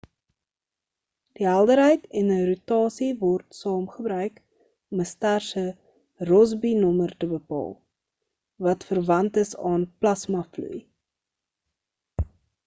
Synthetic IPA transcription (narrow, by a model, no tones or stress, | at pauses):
d̥iɦælˠdəɾɦəjtɛnərutɑːsivɔrtsɑːmχəbɾœɥk | ɔməstærsə | rɔzbinɔmərtəbəpɑ̰ːlˠ | vɐtfərvɐntəsɑːnplɐsmɐflṵj